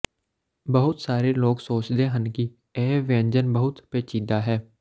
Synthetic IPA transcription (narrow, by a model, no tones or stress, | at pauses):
bəɦʊt̪saːɾeloːɡsoːt͡ʃd̪eɦənki | ɛːʋẽːnd͡ʒənbəɦʊt̪peːt͡ʃiːd̪aɦɛː